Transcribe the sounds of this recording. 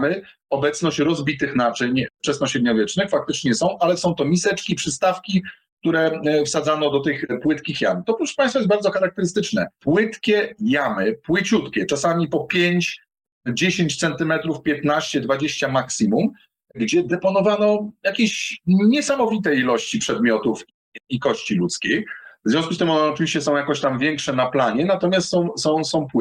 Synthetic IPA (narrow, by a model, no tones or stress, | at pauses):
mɘ | ɔbɛt̪snɔɕt͡ɕɾɔzbʲit̪ɘxnat͡ʂɘɲut͡ʂɛsnɔɕɛd̪ɲɔvʲjɛt͡ʂnɘxfak̚t̪ɘt͡ʂɲɛsɔ̃w̃ʔalɛsɔ̃w̃t̪ɔmʲisɛt͡ʂkʲipʂɘst̪afkʲi | k̚t̪uɾɛfsad̪zanɔd̪ɔt̪ɘxpwɘt̪kʲixja̰mt̪ɔpɾuʂpãɲj̃st̪fajɛsbaɾd̪zɔxaɾak̚t̪ɛɾɘst̪ɘt͡ʂnɛ̰pwɪt̪kʲɛjamɘpwɘt͡ɕut̪kʲɛt͡ʂasamʲipɔpʲjeɲt͡ɕ | d͡ʑeɕeɲt͡ɕt̪sɛnt̪ɘmɛt̪ɾufpʲjɛt̪naɕt͡ɕɛd̪vad͡ʑeɕt͡ɕamaksimum | ɡd͡ʑɛd̪ɛpɔnɔvanɔjakʲeɕɲɛsamɔvʲit̪ɛjilɔɕt͡ɕipʂɛd̪̚mʲjɔt̪ufiːkɔɕt͡ɕilut̪skʲejvzvʲɔ̃skust̪ɘmɔnɛɔt͡ʂɨviɕt͡ɕɛsɔ̃w̃jakɔɕt̪amvʲjɛŋkʂɛnaplaɲɛnat̪ɔmʲjast̪sɔ̃w̃sɔ̃w̃sɔ̃w̃pw